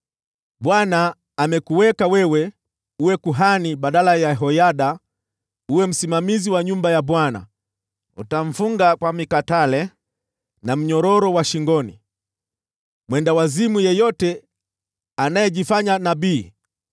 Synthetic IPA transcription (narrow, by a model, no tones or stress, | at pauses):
ɓwanaː | mɛkuwɛkawɛwɛ | uwɛkuɦaniɓaɗalajaɦɔjaɗa | uwɛm̩simamiziwaɲumbajaɓwana̰ | ṵtaɱ̩fuŋɡakwamikatalɛ | nam̩ɲɔɾɔɾɔwaʃiŋɡɔnḭ | mwɛndawazimujɛjɔtɛ | anajɛʄifaɲanaɓiː